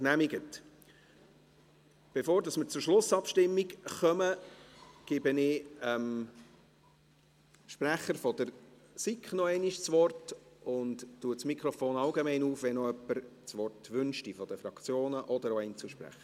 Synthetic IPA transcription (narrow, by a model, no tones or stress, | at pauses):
næmiɡət | b̥efoːɾdɑsmɪɾt͡sʊɾʃlʊsɑpʃtɪmːikχœmə | ɡ̥ɪbənɪɛm | ʃpræχəɾfɔd̥̪əɾsikχnɔɛɪniʃt͡sʋɔrtʊnttːuətsmikχɾɔfoːnɑlɡemɛɪnuːfʋɛnɔœpːəɾt͡sʋɔrtʋʏnʃtifɔd̥̪əfɾɑkt͡sjoːnəʔɔd̥əɾoɛɪnt͡suʃpɾæ̰χə